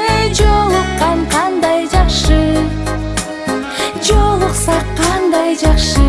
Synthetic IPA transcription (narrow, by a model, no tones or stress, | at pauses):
ʒolˠəqːɑɴqʰɑnd̪ɑjʒɑqʃə | ʒolˠəqsɑqʰːɑnd̪ɑjʒɑqʃə